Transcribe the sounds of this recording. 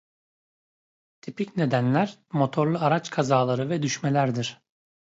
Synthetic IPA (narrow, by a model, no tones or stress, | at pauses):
t̪ʰipicne̞d̪ænlʲæɾmo̞t̪ʰo̞ɾlˠuaɾat͡ʃkʰazaːlˠaɾɯvɛd̪yʃmelʲæɾd̪iɾ̥